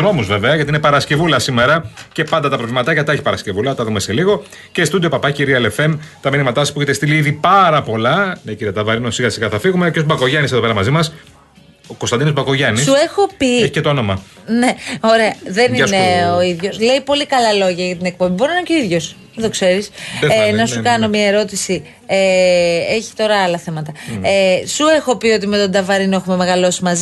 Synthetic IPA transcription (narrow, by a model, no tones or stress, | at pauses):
no̞muzveve̞ɐʝɐt̪inepɐɾɐsce̞vulɐsime̞ɾɐce̞pɐnd̪ɐt̪ɐpɾovlimɐt̪ɐʝɐt̪ɐeçipɐɾɐsce̞vulɐt̪ɐðumeseliɣo̞ | cest̪ud̪iopɐpɐciɾiɐelefe̞mt̪ɐminimɐt̪ɐsspuçet̪est̪iliiðipɐɾɐpo̞lɐneciɾiɐt̪ɐvɐɾinosiɣɐsiɣɐθɐfiɣumeceosbɐko̞ʝɐniseðope̞ɾɐmɐzimɐs | okost̪ɐnd̪inozbɐko̞ʝɐnisexo̞pieçi̥cet̪oono̞mɐ | ne̞o̞ɾe̞ɐðe̞nineoiðʝo̞sle̞ipo̞likɐlɐlo̞ʝɐʝɐt̪ine̞k̚po̞mbiboɾoninceiðʝo̞s | ðo̞kse̞ɾisnɐsukɐno̞miɐeɾo̞t̪isi | eeçi̥t̪o̞ɾɐɐlɐθe̞mɐt̪ɐ | sue̞xo̞pio̞t̪̬ime̞t̪o̞nd̪ɐvɐɾinoe̞xume̞me̞ɣɐlo̞si̥mɐz